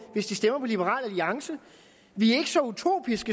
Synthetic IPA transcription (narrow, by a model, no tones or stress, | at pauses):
ʋe̝sd̥isd̥em̰ɐpʰɒ̽lib̥əʁɑ̰̈ːlæliɑ̈ŋsə | ʋiæe̝ɡ̥əsɒ̽ut͡sʰo̝̰ːb̥isɡ̥ə